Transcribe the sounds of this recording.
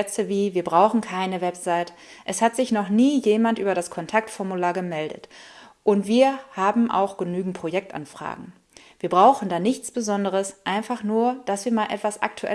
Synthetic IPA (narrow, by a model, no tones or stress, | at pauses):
ɛt͡səviːviːɐbʁaʊxn̩kʰaɪnəvɛpz̥aɪt | ʔɛshatz̥ɪçnɔχniːjeːmantʔyːbɐɾaskʰɔntʰak̚tfɔɐmulaːɐɡəmɛldə̰tʔʊntv̥iːɐhaːbm̩ʔa̰ʊxɡ̥ənyːɡŋ̩t̚pʁ̥ojɛk̚tʔa̰nfʁ̥a̰ːɡŋ̩ | viːɐbʁaʊxn̩daːnɪçt͡sb̥əzɔndəʁ̞əsʔaɪnfaχnuːɐd̥asv̥iːɐmaːlʔɛ̰tv̥asʔa̰k̚tʰuʔɛ̰